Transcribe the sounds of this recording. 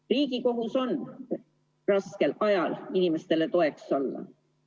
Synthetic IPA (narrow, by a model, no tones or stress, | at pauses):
riːɡiko̞ɦuso̞n | rɑske̞lʔɑjɑlinime̞st̪e̞le̞t̪o̞e̞kso̞lːɑ̰